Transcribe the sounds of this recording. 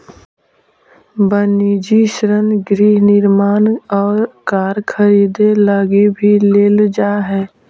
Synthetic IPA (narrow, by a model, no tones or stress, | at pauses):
bəniːd͡ʒiʃɾənɡɾiːɦnɪɾmaːnɔːɾkaːɾkʰəɾiːd̪elaːɡebʱileːld͡ʒaːɦɛː